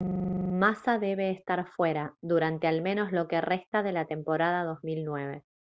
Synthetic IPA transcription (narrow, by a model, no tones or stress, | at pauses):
masaðe̞βe̞ːst̪aɾfwe̞ɾaðuɾant̪ealmẽ̞no̞zlo̞ke̞re̞st̪aðe̞lat̪e̞mpo̞ɾað̞að̞o̞zmilnwe̞β̞e̞